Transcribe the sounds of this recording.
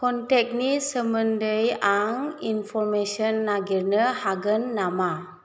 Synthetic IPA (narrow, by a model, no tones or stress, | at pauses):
kɔntɛk̚nisəməndəjaŋinpʰɔɾmesɔnːaɡiɾnəhaɡənːama